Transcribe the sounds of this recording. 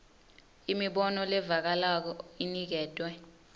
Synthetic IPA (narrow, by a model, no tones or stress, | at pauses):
imiɓɔnɔlɛvak̬alak̬ɔinik̬ɛːtʼwɛ